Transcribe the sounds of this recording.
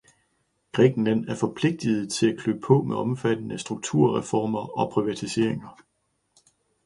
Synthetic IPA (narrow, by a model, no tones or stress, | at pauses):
ɡ̥ʁɛ̰ːɡ̥n̩læn̰æɐfɒ̽pʰle̝ɡ̥̚d̥ið̩ˠt͡sʰe̝lækʰløb̥pʰɔ̽meʔɒ̽mfæd̥ən̩əsd̥ʁuɡ̥̚t͡sʰuɐ̰ʁɛfɒːmɐɒ̽pʰʁiʋæt͡sʰise̝ɐ̰eŋɐ